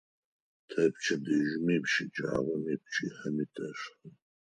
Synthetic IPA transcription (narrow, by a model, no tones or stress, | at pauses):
t̪ʰɛp̚ʰt͡ʃʰɛd̪iʒumimʃid͡ʒa̰ːʁɔnip̚ʰt͡ʃʰihɛmit̪ʼɛʃ